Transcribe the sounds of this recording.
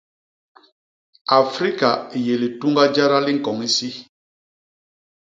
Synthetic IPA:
a˨fɾi˦ka˨je˨li˨tu˦ŋɡa˦d͡ʒa˦ɾa˦li˦ŋ̩˨kɔ˨ŋi˦si˦

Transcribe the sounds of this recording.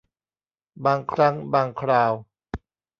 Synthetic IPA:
baː˧ŋkʰɾa˦˥ŋbaː˧ŋkʰɾaː˧w

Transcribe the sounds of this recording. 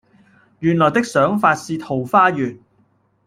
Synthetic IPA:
jyː˨˩nlɔː˨˩jt̪ɪ˥k̚sœː˨˥ŋfaː˧t̚siː˧t̪ʰo˨˩wfaː˥jyː˨˩n

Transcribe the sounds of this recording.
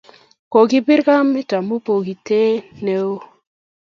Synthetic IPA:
ko˨ɡi˦bi˦ɾka˦mi˦ta˨mo˦po˨ɡi˨te˦ne˨˦o˦

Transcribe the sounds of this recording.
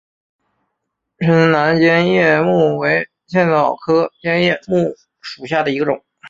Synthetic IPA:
ʈ͡ʂʰə˧˥n˥na˧˥nt͡ɕjɛ˥njɛ˥˧mu˥˩we˧˥ɪ | ɕʰjɛ˥˩nɑ˥˨˩ʊkʰɤ˥t͡ɕjɛ˥njɛ˥˧mu˥˩ | ʂu˨˩ɕja˥˩d̪ə˩i˧˥ɡə˧ʈ͡ʂʊ̰˨˩˦ŋ

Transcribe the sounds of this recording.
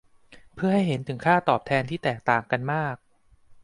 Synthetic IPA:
pʰɯ˥˩ɐha˥˩jɦe˩˦nt̪ʰɯ˩˦ŋkʰaː˥˩t̪ɔː˨˩p̚t̪ʰɛː˧nt̪ʰiː˥˩t̪ɛː˨˩k̚t̪aː˨˩ŋka˧nmaː˥˩k̚

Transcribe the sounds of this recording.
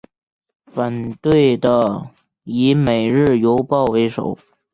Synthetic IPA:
fə˨˩nt̪we˥˩ɪd̪ə˩ | i˧˥me˨˩ɪɻɻ̩˥˩jo˧˥ʊpɑ˥˩ʊwe˧˥ɪʂo̰˨˩˦

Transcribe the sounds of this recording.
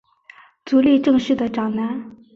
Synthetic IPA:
t͡so˨liʈ͡ʂa˥ŋɕə˥t̪əʈ͡ʂaŋna˨

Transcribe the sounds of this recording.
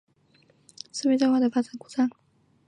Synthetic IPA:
ʂ̩˥˧˩e˥˧ʈ͡ʂa˥˧xwa˥˩d̪ə˩fa˥ʈ͡ʂa˨˥˦ŋku˨˩t͡sa˥˩

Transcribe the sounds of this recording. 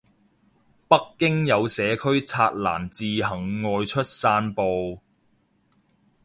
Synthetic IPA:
pɐ˥kːɪ˥ŋjɐ˨˧wsɛː˨˧kʰɵ˥ɥt͡sʰaː˧t̚la̰ː˨˩nt͡siː˨ɦɐ˨˩ŋːɔː˧jt͡ʃʰɵ˥t̚saː˧˥npo˨˧w

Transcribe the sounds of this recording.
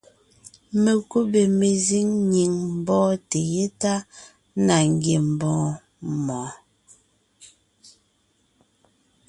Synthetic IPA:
me˨ku˦be˨me˨zi˦ŋɲi˨ŋm̩˦˨bɔ̃ː˦te˨je˦ta˦ | na˨ŋ˦ɡje˨m̩˨bɔ̃ː˨˦ | mɔ̃ː˨˦

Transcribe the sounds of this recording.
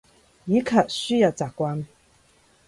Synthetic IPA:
ji˨˦kʰa˨ʔ̚sy˥ja˨t͡sa˨kːwa˦n

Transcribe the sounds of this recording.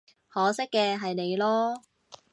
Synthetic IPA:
hɔː˨˥sɪ˥kːɛː˧ɦɐ˨jne˨˧jlɔː˥

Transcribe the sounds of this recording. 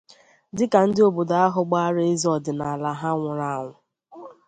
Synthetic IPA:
dɪ˦ka˨n̩˦dɪ˦o˨bo˨da˨a˦ɦʊ˨ɡ͡ba˦ɾe˦e˦zɔ˨dɪ˨na˨a˨la˨ɦa˦ŋʷʊ˨ɾa˦a˨ŋʷʊ˨

